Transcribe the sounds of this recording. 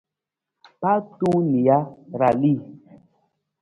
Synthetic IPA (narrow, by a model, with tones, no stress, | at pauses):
pa˦tu˦ni˨a˦ɾa˨li˦˨